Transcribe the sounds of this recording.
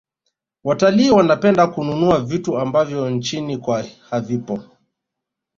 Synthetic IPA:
wataliːwanapɛndakununuavituambavjɔnt͡ʃinikwahavipɔ

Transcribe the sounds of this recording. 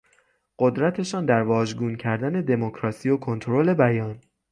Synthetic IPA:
ɢ̥o̞d̪ɾæt̪ʰe̞ʃɒːnd̪æɾvɒːʒɡuːncʰæɾd̪æne̞d̪e̞mokʰɾɒːsiːokʰo̞nt̪ʰoɾole̞bæjɒːn

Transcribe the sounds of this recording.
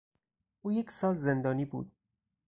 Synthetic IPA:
ʔuːje̞cʰsɒːlzend̪ɒːniːbṵːd̪̥̚

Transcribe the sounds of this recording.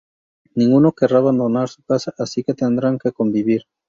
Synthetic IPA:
nĩŋɡuno̞keraβand̪o̞naɾsu̥kasaʔasike̞t̪e̞nd̪ɾaŋke̞ko̞mbiβiɾ

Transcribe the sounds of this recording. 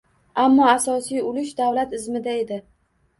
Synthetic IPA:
amːɒasɒsijʊlʊʃd̪avlat̪ɪzmɪd̪ae̞d̪ɪ

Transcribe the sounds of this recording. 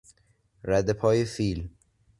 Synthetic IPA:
ɾæd̪epʰɒːjefiːl

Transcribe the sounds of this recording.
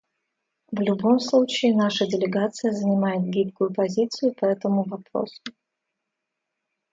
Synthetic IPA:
vlʲʊbo̞mslˠut͡ɕɪːnaʂədʲɪlʲɪɡat̪sɨjəzənʲɪmajɪt̪̚ɡʲipkʊjʊpɐzʲit̪sɨjʊpɐɛt̪əmʊvɐpɾo̞̰sʊ̥

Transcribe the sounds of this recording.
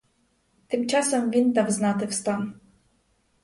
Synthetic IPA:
t̪ɪmt͡ʃɑsɐmʋʲint̪ɑwznɑt̪ɪwst̪ɑn

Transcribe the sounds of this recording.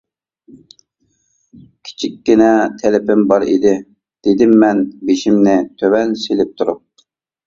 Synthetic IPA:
kʲʰi̥t͡ʃʰikʲːinɛt̪ʰɛlɪpɪmbɑɾḭd̪ɪ | d̪̥ed̪ɪmːɛnbeʃimnɪt̪ʰøwɛnselɪp̚t̪ʰuɾup̚

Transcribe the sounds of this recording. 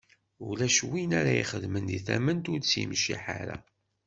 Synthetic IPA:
ulæʃwinæɾæiχəðmənd̪iθæmənt̪ʊɾt͡sːjḭmʃḭħaɾæ

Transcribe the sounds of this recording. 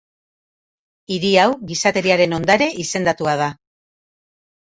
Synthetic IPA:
iɾiawɣisat̪e̞ɾiaɾe̞no̞nd̪aɾe̞ʔise̞nd̪at̪uað̞a

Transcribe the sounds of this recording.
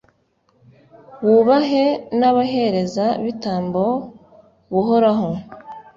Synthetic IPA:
wuβaɦe̞naβaɦe̞ɾe̞zaβitaːmbo̞ | βuɦoɾaɦo

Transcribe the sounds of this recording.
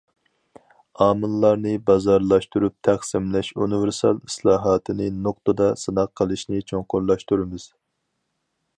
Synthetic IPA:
ɑːmɨlˠːɑɾnɨbɑzɑɾlˠɑʃt̪uɾup̚t̪ʰæχsɪmlɛʃṵnɨvɪɾsɑlˠislˠɑːɦɑːt̪ʰɨnɨnoqt̪əd̪ɑsɨnɑqʰːəlˠɨʃnɨt͡ʃʰoŋqʊɾlˠɑʃt̪uɾɨmɨz̥

